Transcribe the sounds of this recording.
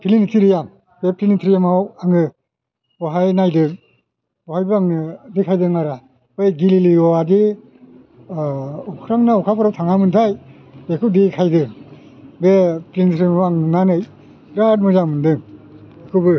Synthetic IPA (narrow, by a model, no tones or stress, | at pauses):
pʰilinitʰiɾijam | b̥epɾinitʰɾijamawaŋɯ | ɔɦajnajdɯŋ | ɔhajbɯaŋɯdikʰajdɯŋaɾa | ɯjɡililiɔaɡi | ɔkʰɾaŋnaɔkʰapʰɾawtʰaŋamɯntʰaj | bekʰɯwdikʰajdɯŋ | bepɾinitʰɾijmawaŋɯnanɯj | ɾat̚mɯzamɯndɯŋ | ekʰɯbɯ